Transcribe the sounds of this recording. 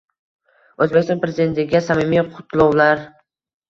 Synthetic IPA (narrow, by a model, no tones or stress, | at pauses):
ɵzbekʲist̪ɔnpɾezid̪e̞nt̪ɪɡʲasamimijqʰʊt̪ʰlˠɒwlaɾ